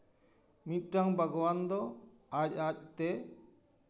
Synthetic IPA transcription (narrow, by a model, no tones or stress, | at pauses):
mit̪̚ˀʈaŋbaɡɔwand̪ɔ | ac̚ac̚t̪ɛ